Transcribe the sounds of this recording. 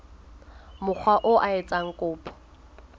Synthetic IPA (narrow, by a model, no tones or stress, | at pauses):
mʊk͡xʰwaʔʊʔaɪt͡sʼaŋ̩kʼʊːpʰʼɔ̥